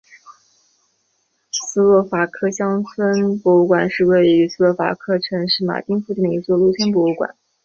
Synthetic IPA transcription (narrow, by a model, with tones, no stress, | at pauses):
sɹ̩˥lwɔ˥˩fa˨˩kʰɤ˥˩ɕjɑ˥ŋt͡sʰwə˥npwɔ˧˥u˥˩kwa˨˩nʂɻ̩˥˧we˥˩ɪy˧˥sɹ̩˥lwɔ˥˩fa̰˨˩kʰɤ˥ʈ͡ʂʰɤ˧˥ŋʂɻ̩˥˩ma̰˨˩t̪i˥ŋfu˥˧t͡ɕ̪n˩ə˩˧i˧˥t͡swɔ˥˧lu˥˩t͡ɕʰjɛ˥np̬wɔ˧˥u˥˩kwa̰˨˩˦n